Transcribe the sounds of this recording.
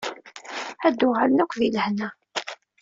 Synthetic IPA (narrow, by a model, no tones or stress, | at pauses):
æd̪ʊʁalnækʷðilhnæ